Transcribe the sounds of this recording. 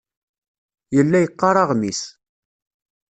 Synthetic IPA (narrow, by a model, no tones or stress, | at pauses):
jəlːæjəqːɑɾˤɑʁmis